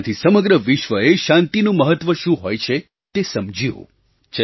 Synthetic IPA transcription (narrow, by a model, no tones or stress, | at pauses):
t̪ʰisəməɡɾəʋɪʃʋəeʃãnt̪inũməɦət̪ʋəʃũɦojt͡ʃʰe | t̪esəmd͡ʒʱio̰ | t͡ʃ